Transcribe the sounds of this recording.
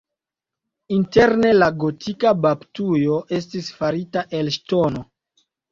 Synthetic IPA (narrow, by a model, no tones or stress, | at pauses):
inte̞ɾne̞laɡotʰikababtujo̞ʔe̞s̬tisfaɾitaʔe̞lʃto̞no̞